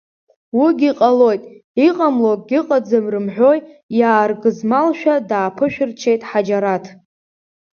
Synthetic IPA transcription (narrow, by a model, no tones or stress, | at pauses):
wiɡʲiqʼalo̞jtʼiqʼamlokʼɡʲiqʼad͡zɨmrɨmħʷᶣo̞jjaːrɡɨzmalʃᶣadaːpʰɨʃᶣɪrt͡ʃʰe̞jtʼħad͡ʒaɾatʰ